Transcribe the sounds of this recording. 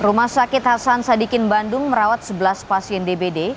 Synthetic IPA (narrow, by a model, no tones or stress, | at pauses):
rumahsakɪt̪̚hasansadikɪnbandʊŋməɾawat̪̚səbəlaspasiɛndebede